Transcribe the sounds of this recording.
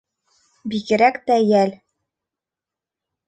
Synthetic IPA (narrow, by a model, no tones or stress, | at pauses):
biɡɘ̆ɾækt̪æjæl